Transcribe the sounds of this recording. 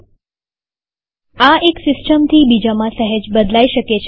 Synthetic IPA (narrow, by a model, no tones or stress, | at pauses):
aeksɪsʈəmt̪ʰibid͡ʒamãsəɦəd͡ʒbəd̪laiʃəket͡ʃʰ